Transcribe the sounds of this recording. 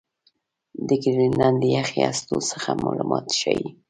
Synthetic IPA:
d̪əkɾinand̪əjaxiast̪osəxamɑlumɑt̪ʃaji

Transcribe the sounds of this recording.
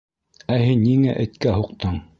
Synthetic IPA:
æhinːiŋæʔɘ̆t̪kæɦuqt̪ɤɴ

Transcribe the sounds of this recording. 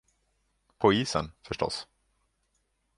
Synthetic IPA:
pʰɔiːsə̰nfœʂʈɔ̰s

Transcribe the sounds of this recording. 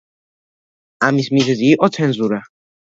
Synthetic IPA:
amismizɛziːʔʼɔt̪sʰɛnzuɾa

